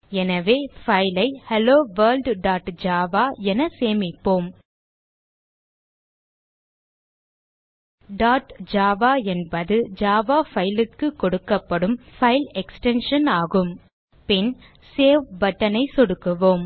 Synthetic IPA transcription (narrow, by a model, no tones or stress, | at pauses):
ɛnɐʋeːfɐɪlɐɪhɛloːʋɐːɾlɖɖaːʈd͡ʒaːʋaːɛnɐseːmɪpːoːm | ɖaːʈd͡ʒaːʋaːɛnbɐðɯd͡ʒaːʋaːfɐjɪlɪkːɯkːɔɽɯkːɐpːɐɽɯmfɐɪlɛksʈɛnʂɐnaːɣɯm | pɪn | seːʋbɐʈːɐnɐɪsɔɽɯkːɯʋoːm